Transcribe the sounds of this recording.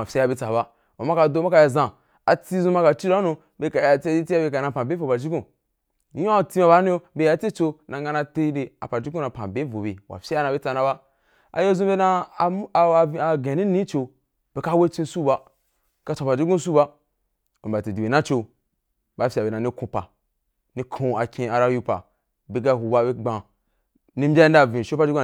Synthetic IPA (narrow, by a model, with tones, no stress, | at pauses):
a˨fʲa˦ja˧˨bi˦t͡sa˨ba˦ | ma˨ma˦ka˧do˦ma˦ka˧ja˧zã˨ | a˨t͡si˦zũ˧ma˧ka˧t͡ʃi˦a˦nu˧ | be˨ka˨ja˨t͡si˦t͡si˦a˦be˧ka˨na˧˨pã˨be˦vo˨ba˨d͡ʒi˦ɡũ˦˨˦ | o˦˨ti˦ma˧ba˦nũ˦o˦be˧˦ja˨t͡se˦t͡ʃo˧nã˨ŋɡa˧na˧te˦de˨a̰˨pa˨d͡ʒi˦ɡu˦na˨pã˨be˨˦vo˨bḛ˨wa̰˨fʲa˦ja˦na˧˨bi˦t͡sa˧na˧ba˦ | a̰˨jo˦zũ˦be˦na˦˨˦ | a˨ɡẽ˨ni˦nĩ˦t͡ʃo˧ | b̥e˨ka˦we˦t͡ʃĩ˧su˦ba˦ | ka˧t͡ʃʷo˨pa˨d͡ʒu˦ɡũ˦su˦ba˦ | o˨a˨ti˨di˨be˨nã˦t͡ʃo˧ | ba˨˦fʲi˨a˨be˨na˨ni˦kũ˧pa̰˨ | nĩ˦kʰũ˧a˨kʲĩ˧a˨ɾa˦ju˦˧pa̰˨ | be˨ɡa˦˨hu˨ba˦be˦ɡ͡bã˨ | ni˦m̩˦bʲa˦i˦n˦da˦˨vĩ˨ʃo˦pa˦d͡ʒu˦ɡu˦